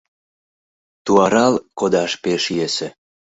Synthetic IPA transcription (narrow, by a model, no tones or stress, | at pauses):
t̪uɑɾɑlkod̪ɑʃpeʃjesĕ